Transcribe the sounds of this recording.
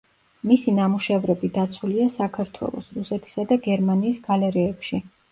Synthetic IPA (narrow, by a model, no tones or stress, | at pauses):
misinamuʃɛvɾɛbid̪at̪sʰuliasakʰaɾt̪ʰwɛ̰lˠɔ̰sɾusɛt̪ʰi̥sad̪aɡɛɾmaniːsɡalɛɾɛːpʃi